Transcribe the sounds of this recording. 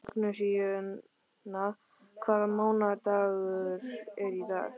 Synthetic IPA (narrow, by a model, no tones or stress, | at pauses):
kʰnʏsijʏ | na | kʰvaːðamaːwnaɾt̪aːɣʏɾɛɾiða̰ɣ